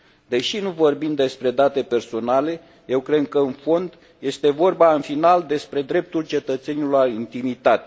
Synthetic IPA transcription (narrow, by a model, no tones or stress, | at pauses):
d̪e̞ʃinuvo̞rbimd̪e̞spɾe̞d̪at̪e̞pe̞rso̞nale̞ | je̞wkɾe̞d̪̚kəɨnfo̞nd̪ | je̞st̪e̞vo̞rbaɨnfinald̪e̞spɾe̞d̪ɾe̞p̚t̪ult͡ʃe̞t̪ət̪se̞niluaint̪imit̪at̪e